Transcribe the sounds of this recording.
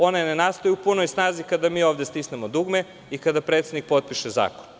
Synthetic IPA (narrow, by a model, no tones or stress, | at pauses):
o̞nenenast̪ojuupunojsnaːzikad̪amiːo̞ːʋd̪est̪isnemod̪uɡme | ikad̪apɾet̪sed̪nik̚po̞t̪̚piʃeza̰ːkon